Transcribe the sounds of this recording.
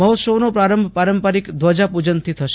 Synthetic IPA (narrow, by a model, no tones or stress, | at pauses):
məɦɔt̪səʋnopɾaɾəmbʱpaɾəmpaɾikd̪ʱʋad͡ʒapud͡ʒənt̪ʰit̪ʰəʃ